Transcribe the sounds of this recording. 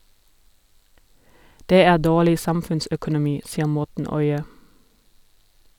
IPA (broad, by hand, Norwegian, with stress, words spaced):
ˈdeː ˈæː ˈdoːlɪ ˈsɑmfʉnsœkʊnʊˌmiː ˈsiːə ˈmɔtn̩ ˈɔʏə